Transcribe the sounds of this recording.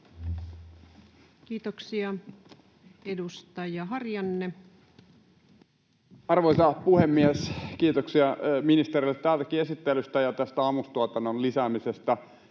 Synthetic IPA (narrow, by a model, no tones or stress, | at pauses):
kiːt̪oksiɑ | edust̪ɑjɑɦɑrjɑnːe | ɑrʋoisɑpuhemːieskiːt̪oksiɑminist̪erilːet̪tːæːlt̪ækiesit̪ːelyst̪æjɑt̪æst̪æɑːmust̪uɑt̪ɑnːonlisæːmisest̪ɑ